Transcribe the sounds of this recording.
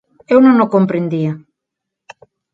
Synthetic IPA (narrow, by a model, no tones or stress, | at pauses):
ewnonokompɾend̪ia